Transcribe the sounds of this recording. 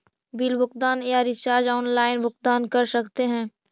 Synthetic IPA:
biːlbʊkd̪aːnjaɾɪt͡ʃaːɾd͡ʒɔːnlaːɪnbʊk̚d̪aːnkɐɾsɐkt̪eɦɛ̃ː

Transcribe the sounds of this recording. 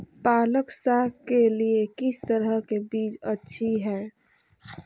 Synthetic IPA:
paːləksakeliekɪst̪əɾəɦkebiːt͡ʃətːʃʰiɦɛː

